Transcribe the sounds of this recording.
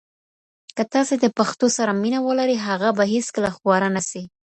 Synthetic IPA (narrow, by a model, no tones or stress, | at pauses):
kət̪ɑsed̪əpaxt̪osaɾaminawəlaɾiɦaɣabaɦeskəlaxwɑɾanasi